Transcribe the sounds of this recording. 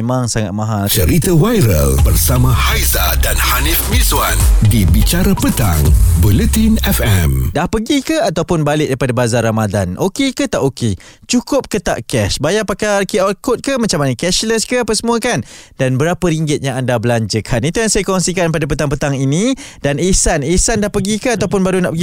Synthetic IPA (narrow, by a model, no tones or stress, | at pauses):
mãŋsaŋa̰t̪̚mãɦat͡ʃəɾit̪awajɾə̰lbərsamãhajzadanhanifmizwandibit͡ʃaɾapət̪a̰ŋbulət̪inɛfɛmdahpəɡikəat̪awpʊnbalɪk̚daipadabazaramadanʔokekət̪aʔoket͡ʃukʊp̚kət̪a̰ʔkɛʃbajaʔpakakiɔt̚kʊt̪̚kəmat͡ʃamanəkɛʃləskəapəsəmuakandanbəɾapəɾiŋɡɪt̪̚ɲaŋandabəlaɲd͡ʒəkʰanit̪ujaŋsajakɔŋsikanp̬adap̬ət̪aŋpət̪aŋinĩd̥anesanesandahpəɡikəat̪awpʊnbaɾuna̰ʔpəɡi